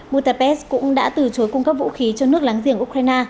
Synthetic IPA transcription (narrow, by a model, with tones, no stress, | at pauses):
ɓu˧ta˧˩pɛ˦˥skʊ̰˧˥ŋ͡mɗa̰ː˧˥t̪ɨ˧˨˩t͡ɕo˨˦jkʊ˧ŋ͡mkə˦˥p̚vṵ˧˥xi˨˦t͡ɕɔ˧nɨ˦˥ək̚laː˨˦ŋzḭ˧˩əʔu˧k̚ɾaː˧jnaː˧